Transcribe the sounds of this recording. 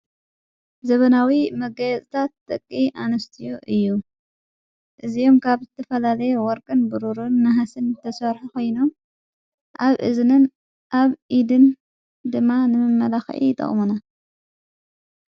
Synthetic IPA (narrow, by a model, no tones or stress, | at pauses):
zɐβɐnawimɐɡɐjɛt͡sʼt̪ʰat̪ːɐkʼːiʔanɐst̪ʰijoʔɨjːu | ʔɨzijo̞mkʰaβzɨt̪ʰɐfɐlalɐjewɔɾkʼɨnbɨɾuɾunːɐɦasɨnt̪ʰɐsɐɾħukʰo̞jnom | ʔaβʔɨ̰znɨn | ʔaβʔid̪ɨn | d̪ɨmːanɨmɨmːɐlaxʕḭt̪ʼːɐ̰χʼmuna